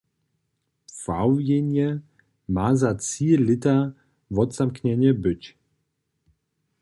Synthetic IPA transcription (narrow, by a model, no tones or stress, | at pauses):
fawjenjə | mazat͡silɪta | vɔtz̥amkɲɛɲəbʏc